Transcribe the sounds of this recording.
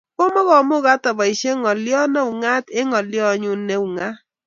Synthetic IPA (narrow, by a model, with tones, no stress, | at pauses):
ko˦mɔ˦ɣɔ˨mʊ˦ɣa˦tɔ˨bɔ˨i˨ʃe˦ŋɔ˨ljɔ˦nɛ˦u˨ŋa˦tɪ˦ŋɔ˨ljɔ˦ɲʊ˦ne˦u˨ŋa˦